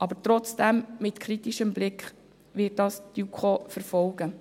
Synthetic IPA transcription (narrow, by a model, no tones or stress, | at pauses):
ʔɑbəɾtɾɔt͡sd̥ɛmmɪtkʰɾitiʃəmblɪkχ | ʋɪːt̚d̥ɑːsd̥ukʰofəɾfɔlɡ̥ə